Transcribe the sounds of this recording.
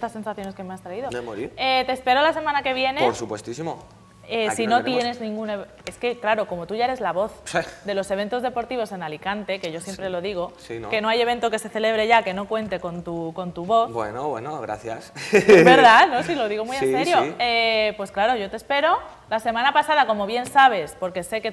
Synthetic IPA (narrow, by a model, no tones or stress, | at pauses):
est̪ase̞nsaθjo̞ne̞ske̞me̞ast̪ɾaiðoemoɾiet̪e̞ːspe̞ɾo̞lase̞mãnake̞β̞je̞neoɾsupwest̪isimo | esino̞t̪je̞ne̞znĩŋɡuneβ | e̞ske̞klaɾo̞ko̞mo̞t̪uʝaeɾezlaβo̞θd̪e̞lo̞se̞βe̞nt̪o̞zðe̞po̞ɾt̪iβo̞se̞nalikant̪e̞ke̞ʝo̞sjempɾelo̞ðiɣ̞o̞sinke̞no̞aje̞βe̞nt̪o̞ke̞se̞θe̞le̞β̞ɾe̞ʝake̞no̞kwe̞nt̪e̞ko̞nt̪uko̞nt̪uβo̞θbwḛnoβwḛnoɣɾa̰θja̰seβeɾðanosilo̞ðiɣo̞mujenseɾjoepwe̞sklaɾo̞ʝo̞t̪espe̞ɾo̞ | lase̞mãnapasað̞ako̞mo̞β̞je̞nsaβ̞e̞spo̞ɾke̞se̞ke